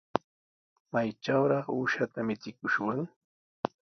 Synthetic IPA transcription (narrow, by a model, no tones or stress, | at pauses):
majt͡ʃawɾɑχuʃat̪amɪt͡sɪkʊʃwaŋ